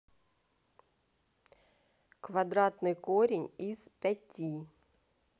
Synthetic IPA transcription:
kʰʋɑd̪ɾɑːt̪nəkʰoːɾɪŋiːspɛtʰiː

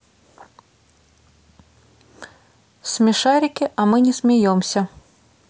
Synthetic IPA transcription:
sʲmʲɪʂaɾʲɪkʲɪʔɐmɨnʲɛsʲmʲajɔmsʲɐ

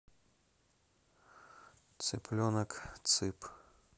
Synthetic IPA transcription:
t̪sɨplʲɔnɐkt̪sɨp

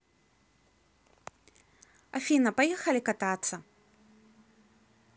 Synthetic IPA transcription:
afʲinɐpajɛxɐlʲikat̪at̪sːɐ

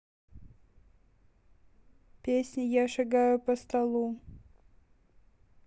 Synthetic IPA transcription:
pʲesʲnʲɪjaʂɨɡajʊpəst̪ɐlˠu

